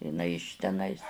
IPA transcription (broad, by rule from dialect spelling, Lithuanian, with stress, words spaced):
ɪˈnɐɪ ɪʃ tʲɛˈnɐɪs